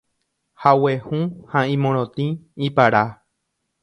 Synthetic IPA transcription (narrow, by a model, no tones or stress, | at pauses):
hawehũhãĩmõɾ̃õt̪ĩipaɾa